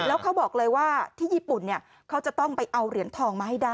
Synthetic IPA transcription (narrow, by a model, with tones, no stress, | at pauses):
lɛː˦˥wkʰa˦˥wbɔː˨˩k̚lɤː˧jwaː˥˩t̪ʰiː˥˩jiː˥˩pu˨˩nːi˥˩ɐ | kʰa˦˥wt͡ɕa˨˩t̪ɔ˥˩ŋpa˧jʔa˧wɾi˩˦ənt̪ʰɔː˧ŋmaː˧ha˥˩jdaː˥˩